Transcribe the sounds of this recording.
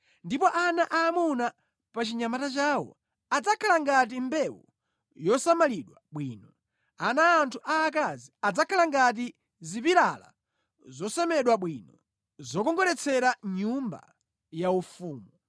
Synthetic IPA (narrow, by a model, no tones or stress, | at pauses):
ndipɔʔanaʔaːmuna | pat͡ʃiɲamatat͡ʃaːwɔ̰ | ad͡zakʰalaŋɡat̬imbɛwɔ | jɔsamaliɗwaɓwiːnɔ | anaːntʰuʔaːk̬aziad͡zakʰalaŋɡat̬i | zipiɾala̰ | zɔsɛmɛɗwaɓwinɔ | zɔkɔŋɡɔlɛt͡sʰɛɾaɲumba̰ | jaufuːmu